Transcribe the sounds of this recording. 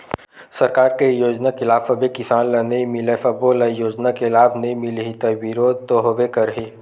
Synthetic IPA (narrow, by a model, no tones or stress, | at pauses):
sɐɾkaːɾkejoːd͡ʒnakɪlaːfɐbekɪsaːnlɐneĩmɪlefɐboːlɐjoːd͡ʒnakelaːbnɐĩmɪlɦit̪ɐbiɾoːd̪̚t̪oɦobekɐɾɦiː